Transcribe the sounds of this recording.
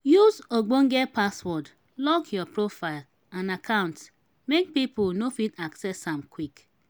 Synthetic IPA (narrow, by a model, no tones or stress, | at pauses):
juzoɡ͡boŋ̩ɡɛpaswɔd | lɔkʰjɔpɾofaɪl | ãnakʰãʊ̃nt | mek̚pipʊlnofitaksɛsãmkwik